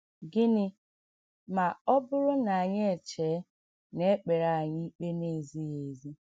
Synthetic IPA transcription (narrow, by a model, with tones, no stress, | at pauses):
ɡɪ˦nɪ˦ | ma˨ɔ˦bʊ˦ɾʊ˦na˨a˨ɲe˦e˨t͡ʃe˨˦ | ne˦k͡pe˨ɾa˨ɲɪ˦i˦k͡pe˦ne˦˨zi˦je˨zi˦